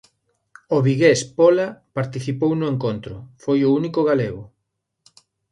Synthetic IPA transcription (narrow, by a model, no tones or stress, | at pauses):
oβiɣespɔlapaɾt̪iθipownʊeŋkont̪ɾʊfojʊunikʊɣaleɣʊ